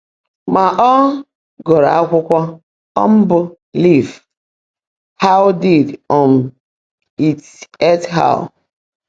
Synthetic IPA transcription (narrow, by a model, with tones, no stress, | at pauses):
ma˨ʔɔ˦ | ɡɔ˨ɾa̰˨a˦kʷʊ˦kʷɔ˦ | ɔ̰˦m̩˦bʊ˨ | li˦˨v | ha˦ʊ˦di˨dɔ˨m̩˨ | i˨t | ɛ˦tɦa̰˦˨ʊ˨